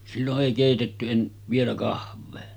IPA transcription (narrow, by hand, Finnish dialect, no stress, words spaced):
silːoʔ ʔeˑi keˑitetːy en ʋielæ kɑhɑˑʋeː